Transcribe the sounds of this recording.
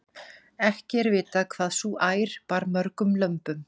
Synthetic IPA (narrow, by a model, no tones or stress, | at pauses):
ɛhcɪɛɾvɪːt̪aðkʰv̥aːðsuːʔaːjɾ̥paɾmœɾkʏmlœmpʏm